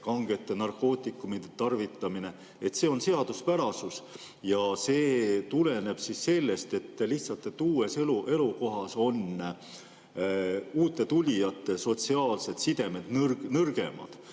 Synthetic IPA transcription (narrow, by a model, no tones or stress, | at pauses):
kɑŋɡe̞t̪ːˑe̞nɑrko̞ːt̪ːˑikːˑumid̪et̪ɑrvit̪ːˑɑmine̞ | et̪se̞ːo̞nse̞ɑd̪̥uspæɾɑsus | jɑse̞ːt̪ule̞ne̞b̥sisːe̞lːe̞st̪e̞t̪ːliht̪sɑlt̪ːˑe̞t̪ːuːe̞seluʔe̞luko̞ɦɑso̞n | uːt̪ːˑe̞t̪ulʲijɑt̪ːˑe̞so̞t̪siɑːlse̞d̪̥sid̪̥e̞me̞d̪̥nrnɤrɡ̥e̞̰mɑ̰d̪̥